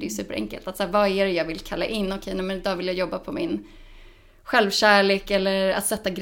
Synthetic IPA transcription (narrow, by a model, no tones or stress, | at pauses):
d̪ɛjɵsʉ̟ːpːəɾʔɛ̰ŋkə̰lt̪at̪saːvaæɾɛjɑːɡvɪlkʰalːa̰ʔɪnːɔkʰejnɛmɛnɪd̪ɑːvɪljajɔbːapʰɔmɪn | ɧɛlvɕæːɭeːkɛlːəɾa̰t̪sɛt̪ːaɡɾ